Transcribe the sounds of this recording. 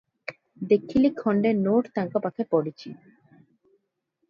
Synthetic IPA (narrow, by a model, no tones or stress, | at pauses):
d̪ekʰːilikʰːɔɳɖeɾnoʈt̪aŋkapakʰepɔɽit͡ɕi